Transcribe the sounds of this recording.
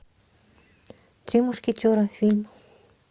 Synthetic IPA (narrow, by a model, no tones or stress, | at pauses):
t̪ɾimuscit̪oɾanfilm